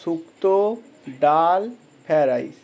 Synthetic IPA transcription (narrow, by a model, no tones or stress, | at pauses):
sukt̪o | ɖaːl | pʰɛɾaḭs